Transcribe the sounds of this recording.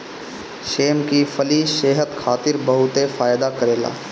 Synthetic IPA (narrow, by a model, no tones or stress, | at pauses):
ʃeːmkifʰəliseːɦət̪kʰaːt̪ɪɾbəɦʊt̪efaːjd̪akəɾeːla̰ː